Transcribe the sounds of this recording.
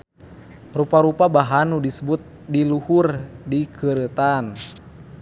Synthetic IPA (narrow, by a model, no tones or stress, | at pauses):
rupaɾupabaɦanudisəbut̪̚ | diluhurdikəɾət̪an